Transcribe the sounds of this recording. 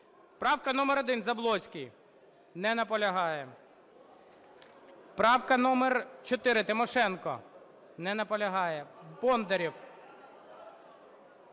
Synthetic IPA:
pɾɑwkɐnɔmeɾɔd̪ɪnzɐblˠɔt͡sʲkij | nɛnɐpɔlʲɐɦɑjɛ | pɾɑwkɐnɔmert͡ʃɔt̪ɪɾɪt̪ɪmɔʃɛnkɔ̰ | nɛnɐpɔlʲɐɦɑjɛwbɔnd̪eɾʲiw

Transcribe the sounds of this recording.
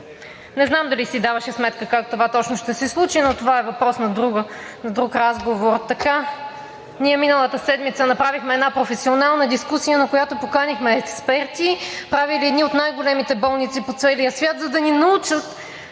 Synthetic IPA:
nɛznamd̪ɐlisid̪avɐʃɛsmɛt̪kəkakt̪ovat̪ɔt͡ʃnoʃt̪ɛsɛslˠut͡ʃinot̪ovaɛvɐpɾɔsnɐd̪ɾuɡə | nɐd̪ɾukɾazɡovoɾt̪ɐka | niɛminəlˠət̪əsɛd̪mit̪sənɐpɾavixmɛɛd̪napɾofɛsionalˠnəd̪iskusijənɐkojat̪opokanixmɛːkspɛɾt̪ipɾaviliɛd̪niot̪najɡolɛmit̪ɛbɔlˠnit̪sipot̪sɛlijəsvʲjat̪zɐd̪ɐninɐut͡ʃət̪

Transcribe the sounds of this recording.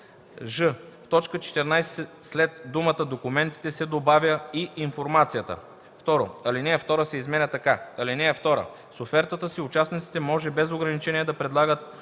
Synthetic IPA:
ʒəft̪ɔt͡ʃkət͡ʃɛ̥t̪ɛɾnajsɛslɛt̪d̪umət̪əd̪okumɛnt̪i̥t̪ɛsɛd̪obavʲjəiinfoɾmat̪sijət̪ə̰ | ft̪ɔɾo̰ɐlinɛːft̪ɔɾəsɛizmɛnʲət̪ɐkaɐlinɛːft̪ɔɾə̰ | sofɛɾt̪ət̪əsiʊt͡ʃasnit̪si̥t̪ɛmɔʒɛbɛzoɡɾɐnit͡ʃɛniɛd̪ɐpɾɛd̪lˠaɡət̪̚

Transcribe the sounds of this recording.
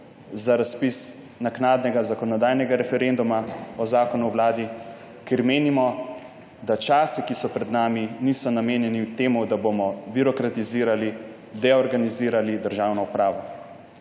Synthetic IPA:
zaɾaspis | naknaːd̪nɛɡazakɔnɔd̪aːjnɛɡaɾɛfɛɾend̪umaɔzaːkɔnuwwlaːd̪i | keɾmeːnimɔ | d̪at͡ʃaːsikisɔpɾɛd̪naːminiːsɔnameːnjɛniwt̪eːmud̪abomɔbiɾɔkɾat̪iziːɾali | d̪ɛɔɾɡaniziːɾalid̪əɾʒaːwnɔupɾaːʋɔ

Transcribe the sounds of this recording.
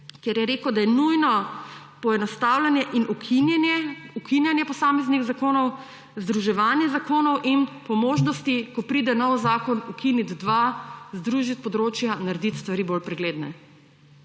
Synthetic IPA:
kjɛɾjɛɾeːkəwd̪ajɛnujnɔ | pɔɛnɔst̪aːwlanjɛʔinʔukinnɛukinjanjɛpɔsaːmɛzniɣzakoːnɔw | zd̪ɾuʒɛʋaːnjɛzakoːnɔwʔinpɔmoːʒnɔst̪ikɔpɾiːd̪ɛnɔwzaːkɔnukʰinid̪d̪ʋazd̪ɾuʒit̪̚pɔd̪ɾoːt͡ʃjanaɾɛd̪it̪st̪ʋaɾibolpɾɛɡleːd̪nɛ̰

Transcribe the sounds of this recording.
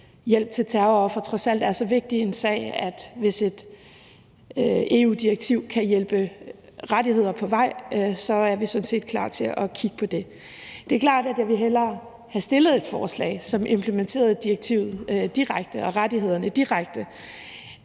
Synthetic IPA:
jel̰b̥̚t͡sʰe̝lt͡sʰæɐfɒ̽t͡sʰʁɒ̽sæl̰d̥æɐsɒ̽ʋe̝ɡ̥̚d̥ie̝nsɛ̰ɪæd̥ʋe̝se̝d̥ | e̝̰uːd̥iʁɐɡ̥̚t͡sʰiʊ̰kʰæjelb̥ə | ʁad̥ihe̝ð̞̰ˠɐpʰɒ̽ʋɑ̈ɪ̰sɒ̽æɐʋisɒ̽n̩se̝̰ːd̥kʰlɑ̰̈ːt͡sʰe̝ʔɒkʰiɡ̥ə̥pʰɒ̽d̥e̝ | d̥e̝ɐkʰlɑ̰̈ːd̥æd̥jɑ̈ʋe̝ɦel̰ɐ | hæsd̥e̝lð̩ˠe̝d̥fɒːslɛ̰ɪsɒ̽mʔe̝mpʰləment͡sʰe̝̰ːɐð̞ˠd̥ieɡ̥̚t͡sʰḭʊ̰ð̩ˠd̥iʁaɡ̥d̥əɒ̽ʁad̥iɦe̝ð̞̰ˠɐnəd̥iʁaɡ̥̚d̥ə

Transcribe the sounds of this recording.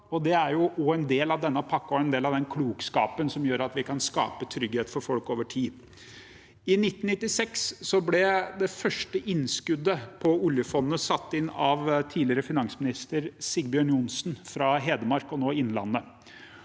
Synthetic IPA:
ɔd̪ɛæɾjʊʔɔɛnd̪eːlɑʋd̪ɛnːəpʰɑkːɔɛnd̪eːlɑʋd̪ɛnkʰluːkskɑ̰ːpənsɔmjøːɾɑt̪ʋɪkʰɑnskɑ̰ːpət̪ʰɾʏɡheːt̪fɔɾfɔlkoːʋəʈʰiː | ɪnɪt̪ːn̩nɪt̪ːɪsɛkssɔblɛd̪ɛfœʂʈəʔɪnːskʉd̪ːəpʰɔʊljəfɔnːəsɑt̪ːɪnːɑʋt̪ʰiːlɪəɾəfɪnɑŋsmɪnɪst̪əɾsɪɡbɪœːɳʊnsnfɾɑɦeːd̪əmɑɾkɔnoːɪnːlɑ̰nːə

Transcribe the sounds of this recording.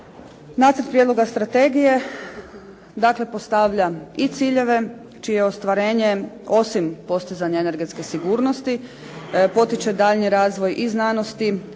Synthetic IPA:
naːt̪səɾ̩t̪̚pɾijed̪lo̞ɡast̪ɾat̪e̞ɡije̞ | d̪akle̞po̞st̪aʋʎait̪siːʎe̞ʋe̞ | t͡ʃijeo̞st̪ʋaɾe̞ːɲe̞o̞simpo̞st̪izaɲaene̞ɾɡt̪ske̞siɡuːɾno̞st̪i | po̞t̪it͡ʃed̪aːʎniɾaːzʋo̞jʔiznaːnost̪i

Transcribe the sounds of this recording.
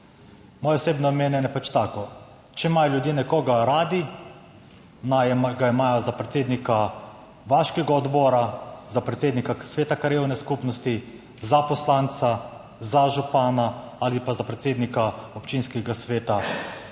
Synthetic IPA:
mɔːjɛɔseːbnɔɔmeːnjɛnɛpat͡ʃt̪aːkɔ | t͡ʃɛmajljud̪jeːnɛkɔːɡaɾaːd̪i | najɡaimaːjɔzapɾɛt̪seːd̪nika | ʋaʃkɛɡaɔd̪bɔːɾazapɾɛt̪seːd̪nikasʋeːt̪akaɾjeːwnɛskupnɔst̪i | zapɔslant̪sa | zaʒupaːnaalipazapɾɛt̪seːd̪nikaɔpt͡ʃinskɛɡasʋeːt̪a

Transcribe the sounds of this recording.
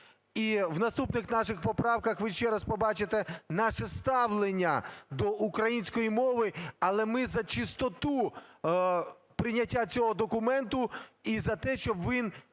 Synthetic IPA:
iʋnɐst̪upnɪxnɑʃɪxpɔpɾɑwkɐxʋɪʃt͡ʃɛɾɐspɔbɑt͡ʃɪt̪ɛnɑʃɛst̪ɑʋlˠenʲːɐd̪ɔʔukɾɐjinʲsʲkɔjimɔʋɪɐlˠɛmɪzɐt͡ʃɪst̪ɔt̪u | pɾɪnʲɐtʲːat͡sʲɔɦɔd̪ɔkʊmɛnt̪ʊizɐt̪ɛʃt͡ʃɔbʋin

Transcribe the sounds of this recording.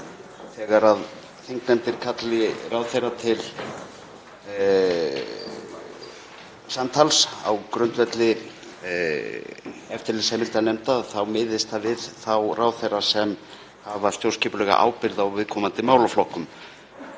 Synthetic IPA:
θɛɣaɾað | θeŋknɛmt̪ɪɾ̥kʰat̪lɪraːwθejrːat̪ʰɪl | sant̪ʰalsa̰wkɾʏnt̪vɛt̪lɪ | ɛft̪ɪɾlɪsɛmɪlt̪anemt̪aðθawmɪːðɪst̪θavɪðθawrʔaːwθejrasɛm | havast̪jowrscɛpʏlɛːɣa̰ʔa̰ːwpɪɾðawvɪðkʰɔːmant̪ɪmaːwlawflɔhkʏm

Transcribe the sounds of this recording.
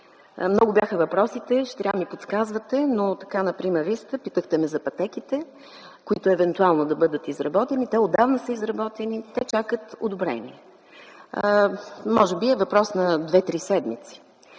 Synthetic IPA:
mnɔɡʊbjaxəvɐpɾɔsit̪ɛʃɛ̥t̪ɾʲavmipot̪skazvət̪ɛnot̪ɐ̥kanɐpɾimɛɾvist̪əpit̪əxt̪ɛmɛzɐpɐt̪ɛk̟it̪ɛ | kʊit̪ʊɛvɛnt̪ualˠnod̪ɐbɤd̪ət̪izɾɐbɔt̪ɛnit̪ɛod̪avnəsəizɾɐbɔt̪ɛnit̪ɛt͡ʃakət̪o̰d̪ʊbɾɛ̰nḭɛ | mɔʒɛbiɛvɐpɾɔsnɐd̪vɛt̪ɾisɛd̪mit̪si̥

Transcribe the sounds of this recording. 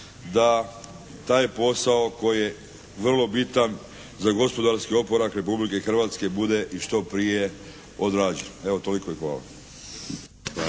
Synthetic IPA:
d̪a | t̪aːjpo̞sao̞ko̞jije | ʋr̩lˠo̞bit̪an | zaɡo̞spo̞d̪aɾskio̞po̞ɾakɾe̞publikexr̩ʋat̪ske̞bud̪e̞ʔiʃt̪o̞pɾije̞ | od̪ɾaːd͡ʑene̞ʋot̪o̞likojexʋa̰ːla̰

